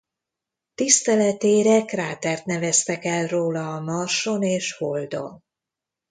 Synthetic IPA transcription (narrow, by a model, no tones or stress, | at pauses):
t̪ist̪ɛlɛt̪eːɾɛkraːt̪ɛrt̪nɛvɛst̪ɛkɛlroːlɒːmɒrʃo̞neːʃhold̪o̞̰n